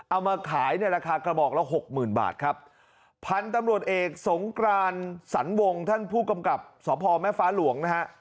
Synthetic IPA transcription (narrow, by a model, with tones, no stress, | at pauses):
ʔa˧˩wmaː˧kʰaː˩˦jna˥˧˩jɾaː˧kʰaː˧kɾa˧bɔː˨˩k̚lɛː˦˥wɦo˨˩k̚mɯː˨˩nba̰ː˨˩t̪̚kʰa˦˥p̚ʰ | a˧nt̪a˧mɾu˨˩ət̪̚ʔeː˨˩k̚so˩˦ŋkɾaː˧nsa˩˦nwo˧ŋt̪ʰa˥˩npʰuː˥˩ka˧mka˨˩p̚sɔː˩˦pʰɔː˧mɛː˥˩faː˦˥lu˨˩˦əŋna˦˥ɦa˦˥ʔ